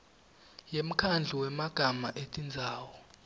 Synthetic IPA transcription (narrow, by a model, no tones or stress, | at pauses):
jem̩kʰand͡ɮʱiwɛmaɡ̥ʱamaʔetʼind͡zʱaːwɔ